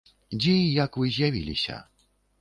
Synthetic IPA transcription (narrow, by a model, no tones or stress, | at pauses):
d͡ʑejakwɘʑjavʲḭlʲḭɕɛ̰